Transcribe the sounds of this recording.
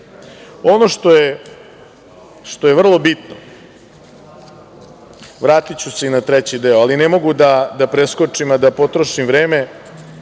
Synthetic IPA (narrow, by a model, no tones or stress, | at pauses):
o̞noʂt̪o̞je | ʂt̪ojeʋvr̩lˠo̞bit̪no | ʋɾaːt̪it͡ɕuse̞inat̪ɾet͡ɕid̪eoalinemo̞ɡud̪ad̪apɾeskot͡ʂimad̪apo̞t̪ɾoʃimʋɾeːme